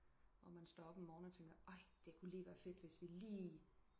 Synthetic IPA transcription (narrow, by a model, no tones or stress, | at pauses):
ɒmænsd̥ɒːɒb̥ɒmɒːnɒt͡sʰeŋɡ̥ɐɑ̈ɪ̰d̥e̝kʰuliːʋæːɐfe̝d̥ʋe̝sʋiliː